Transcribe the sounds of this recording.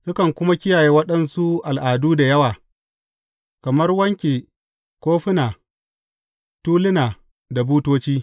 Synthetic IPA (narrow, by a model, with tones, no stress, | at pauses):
sʊ˦kɐ˨ŋkʷʊ˦ma˦kʲɪ˦jaː˨jeː˦wɐ˦ɗɐ˦nsu˦ʔa˨lʔaː˨duː˦da˨jɐ˦waː˨ | kɐ˨mɐ˦rwɐ˦ŋkʲeː˨ | kʷoː˦ɸɪ˦naː˨ | tuː˦lɪ˦naː˨ | da˨buː˦toː˦t͡ʃiː˦